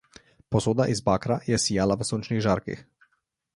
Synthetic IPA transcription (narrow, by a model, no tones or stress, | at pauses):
pɔsoːd̪aʔizbaːkɾajɛsijalaʋəsoːnt͡ʃniɣʒaːɾkḭx